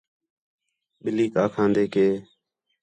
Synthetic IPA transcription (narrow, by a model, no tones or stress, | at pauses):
ɓɪliːkaːkʰãːnd̪eːkeː